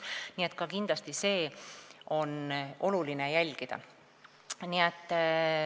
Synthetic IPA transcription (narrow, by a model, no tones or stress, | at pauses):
nie̞t̪kɑkind̪̥lɑst̪ise̞ː | o̞nʔo̞lulinejælʲɡ̥id̪̥ɑ̰ | niet̪ˑː